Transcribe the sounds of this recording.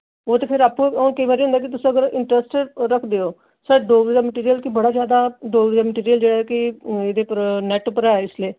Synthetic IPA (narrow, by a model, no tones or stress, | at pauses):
oːt̪eːpʰɪɾaːpːũːokəibaːɾiɦʊ̃nd̪aːkɪt̪ʊsĩəɡəɾɪɳʈɾəsʈɾəkʰd̪eːoː | səɖoːɡid̪aːməʈiːɾijəlkɪbəɽaːzjaːd̪aːɖoːɡɾid̪aːməʈiːɾijəld͡ʒeːɽaːɛːkɪeːd̪eːpəɾnɛːʈʊpːəɾɛːɪsleː